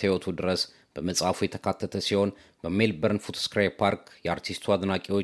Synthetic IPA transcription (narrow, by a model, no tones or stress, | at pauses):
hiwot̪ʰud̪ɨɾəs | b̥əməsʼafujɛt̪ʰə̥kʰat̪ʰːət̪ʰəsiho̞n | bəmːelbəɾɨnfut̪ʰo̥skɾajpʰaɾkjɛaɾt̪ʰist̪ʰuad̪nakʼiwo